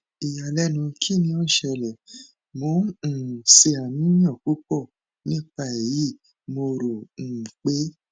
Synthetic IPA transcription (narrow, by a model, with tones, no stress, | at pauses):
i˨ja˨lɛ˦nũ˧kʰi˦˨nĩ˧˦o˦˨ʃɛ˧lɛ˨ | mõ˧˦˨se˧a˨nĩ˦j̃ã˦˨ku˦kɔ˦˨ | nĩ˦˨k͡pa˦˨e˨ji˦˨ | mo˧ɾo˨k͡pe˦